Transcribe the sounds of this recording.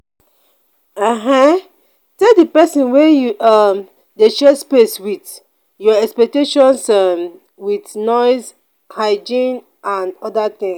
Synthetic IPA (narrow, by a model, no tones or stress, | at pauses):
aɦã | tɛldipɛsĩnwɛjuam | deʃɛspeswiθ | jɔɛkspɛk̚teʃɔ̃nsam | wiθnɔɪz | haɪd͡ʒĩn | ãndɔdaθĩŋs